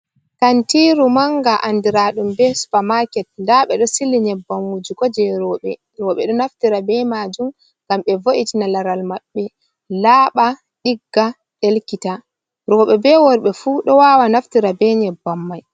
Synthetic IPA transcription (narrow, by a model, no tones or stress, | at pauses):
kantiɾumaŋɡaʔandiɾaːɗumbɛsu̥pamakɛt̚ndaɓɛɗɔsilːiɲɛbːamwud͡ʒikɔd͡ʒɛɾɔːɓɛ̰ | ɾɔːɓɛɗɔnaftiɾabɛmad͡ʒum | ŋɡ̥amɓɛvoʔitinalaɾalmaɓːɛ | laːɓa | ɗiɡːa | ɗelkita | ɾɔːɓɛbɛwɔɾɓɛfuːɗɔwawanaftiɾabɛɲɛbːamːaj